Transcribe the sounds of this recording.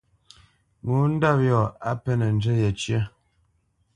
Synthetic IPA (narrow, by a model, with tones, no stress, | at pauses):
mu˨˦n̩˦da˦˨p̚jɔ˨a˦pɛ˦nə˨n̩˨˦d͡ʒə˦jɛ˨t͡ʃjɛ˦